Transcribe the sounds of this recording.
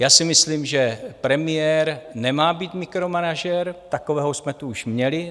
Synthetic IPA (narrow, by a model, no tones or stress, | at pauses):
jaːsɪmɪsliːmʒɛpɾɛmɪjɛɾnɛmaːbiːt̪mɪkɾomanaʒɛɾt̪akovɛːɦosmɛt̪uuʃmɲɛlɪ